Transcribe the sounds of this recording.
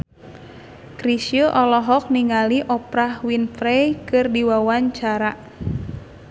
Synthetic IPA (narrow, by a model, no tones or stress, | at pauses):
kɾisjəʔɔlɔɦɔk̚niŋaliʔɔpɾahwinfɾɛjkɨrdiwawaɲt͡ʃaɾa